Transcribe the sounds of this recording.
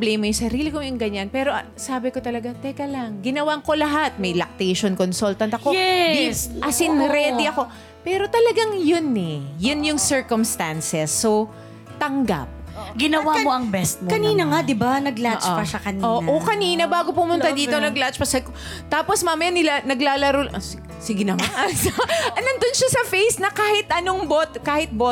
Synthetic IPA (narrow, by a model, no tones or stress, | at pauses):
blɛmɐjʊŋsɐɾiːlɪkojʊŋɡɐɲanpɛːɾo̞ | saːbɪkot̪ɐlɐɡat̪ɛkɐlɐŋɡɪnɐwaŋko̞lɐɦat̪̚mɐjlɐk̚t̪ɛjʃonkonsult̪ɐnt̪ɐkoɛd̪isʔɐsɪnɾɛd̪iʔɐko̞ | pɛːɾo̞t̪ɐlɐɡaŋjʊnɛjʊnjʊŋsɛɹkomst̪ansɛsːo | t̪ɐŋɡa̰p̚ɡɪnɐwamoʔɐŋbɛst̪̚mkɐniːnɐŋad̪ɪbanɐɡlat͡ʃʔpɐʃɐkɐnioʔokɐniːnɐbaːɡopʊmʊnt̪ad̪iːtt̪onɐɡlat͡ʃpɐsɐk | t̪aːposmaːmɐjanɪlanɐɡlalɐɾol | sɪɡɪnɐŋasɐɐnɐnd̪onʃasɐfejsnɐkaːhɪt̪ʔɐnoŋbot̪kaːhɪt̪̚bo